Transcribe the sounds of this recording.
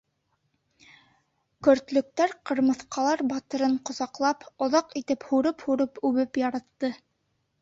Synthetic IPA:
kɵ̆ɾt̪lɵ̆k̚t̪æɾqɤ̆ɾmɤ̆θqɑlˠɑɾbɑt̪ɤ̆ɾɤɴqŏzɑqlˠɑpŏðɑqit̪ɘphuɾɤphuɾɤpʉβɘpjɑɾɑt̪ːɤ

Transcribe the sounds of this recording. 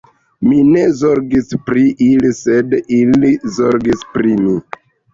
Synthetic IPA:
mine̞zo̞ɾɡispɾiʔilise̞dilizo̞ɾɡispɾimi

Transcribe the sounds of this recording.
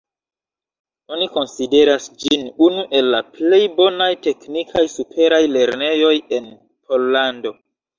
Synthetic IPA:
o̞niko̞nside̞ɾasd͡ʒinunuʔe̞lːaple̞jbo̞najte̞knikʰajsupʰe̞ɾajle̞ɾne̞jo̞je̞n | pʰo̞lːando̞

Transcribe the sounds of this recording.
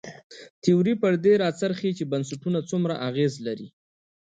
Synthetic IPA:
t̪iuɾipəɾd̪eɾɑt͡saɾxet͡ʃebansaʈunat͡sumɾaʔaɣezlaɾḭ

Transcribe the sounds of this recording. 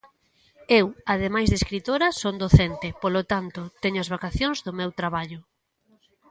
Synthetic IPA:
ewaðemajzðeskɾit̪oɾɐsond̪oθent̪ɪpolot̪ant̪ʊt̪eɲʊazβakaθjoŋzðʊmewt̪ɾaβaʎʊ

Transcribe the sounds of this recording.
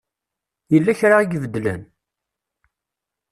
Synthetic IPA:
jəlːæçɾaiɡvəd̪læ̰n

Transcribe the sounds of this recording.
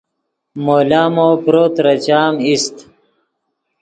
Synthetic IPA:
moːlaːmoːpɾoːt̪ɾɐt͡ɕaːmist̪

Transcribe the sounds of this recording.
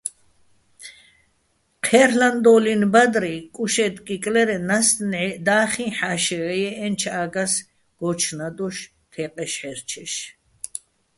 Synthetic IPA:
qʰɛɾland̪ɔlinbad̪ɾikʼuʃɛd̪kʼikʼlɛɾɛnast̪nɛd̪aːχĩħaʃɛɛjɛɛnt͡ʃʰaːɡas | ɡ̥ɔt͡ʃʰnad̪ɔʃ | t̪ʰɛqʼɛʃħɛɾt͡ʃʰɛʃ

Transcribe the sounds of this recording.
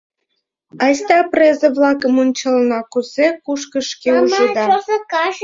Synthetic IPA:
ɑst̪ɑprezə̆βlɑkə̆munʲt͡ɕəlnɑkuzekuʃkə̆ʃkeuʒəd̪ɑzɑ

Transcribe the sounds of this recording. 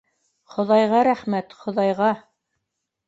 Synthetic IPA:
χŏðɑjʁɑɾæχmæt̪χŏðɑjʁɑ

